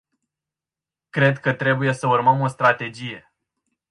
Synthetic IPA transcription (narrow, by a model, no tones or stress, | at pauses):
kɾe̞d̪kət̪ɾe̞buje̞səurməmo̞st̪ɾat̪e̞d͡ʒije̞